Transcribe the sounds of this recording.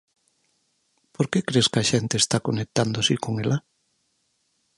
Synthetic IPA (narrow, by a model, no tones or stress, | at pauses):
poɾkekɾeskɐʃent̪eːst̪akonek̚t̪and̪osikoŋela